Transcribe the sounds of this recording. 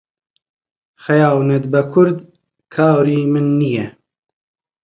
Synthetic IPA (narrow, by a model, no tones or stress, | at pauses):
xɐjɑːwnɐt̪bɐkʰʊɾd̪ | kʰɑːwɾiːmɨnːijɛ